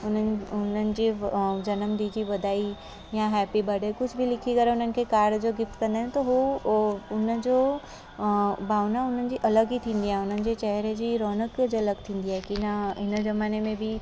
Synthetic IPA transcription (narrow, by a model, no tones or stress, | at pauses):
ʊnəʊnənɪ̆d͡ʑid͡ʑɐnəmɖ̪iːd͡ʑiʋɐd̪ʱaːi | jãɦɛːpibɐɽekʊd͡ʑʰbʱilɪkʰikɐɾẽʊn̤ənɪ̆kʰekaːɾɖd͡ʑoɡɪft̪̚kɐ̃nd̪aːɪ̃net̪oɦu | ʊnəd͡ʑo | bʱaːʋnaʊn̤ənɪ̆d͡ʑiːʔɐləɡit̪ʰĩːnd̪iaːɦẽʊn̤ənɪ̆d͡ʑet͡ɕɛɦɾed͡ʑiːɾɔːnəkd͡ʑɐləɡ̚t̪ʰĩːn̆d̪iaːɦekinaɦɪnzɐmaːnemẽbʱɪ